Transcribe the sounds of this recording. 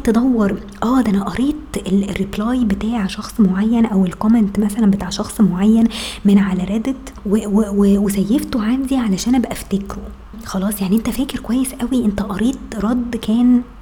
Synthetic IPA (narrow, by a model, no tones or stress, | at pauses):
t̪ed̪ˤɑwːɑɾˤ | ʔæːd̪ʔænæʔɑɾiːt̪elrːiplɑːjbet̪aːʕʃɑxsˤmoʕajːænʔæwelkoment̪mæsælæmbet̪aːʕʃɑxsˤmoʕajːænmenʕalæɾæd̪et̪wewewewesæjːeft̪oʕamziʕalæʃæːnʔæbæʔæft̪ekɾo | xɑlɑːsˤjaʕniʔent̪æfæːkeɾkowæjːesʔæwiʔent̪æʔɑɾiːt̪ɾˤɑd̪ːkæːn